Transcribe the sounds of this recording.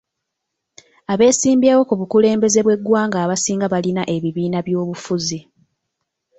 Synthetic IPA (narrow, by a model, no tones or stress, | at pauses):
aβe̞ːsiːmbjaːwo̞kuβukule̞ːmbe̞ze̞βwe̞ɡwaːŋɡaːβasiːŋɡaβalinaʔe̞βiβiːnaβjo̞ːβufuzi